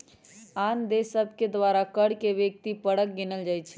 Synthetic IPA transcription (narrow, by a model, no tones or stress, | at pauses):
and̪esəbʱked̪ʋaɾakəɽkeʋjək̚t̪ipəɽək̚ɡinəld͡ʒajt͡ʃʰɛ̥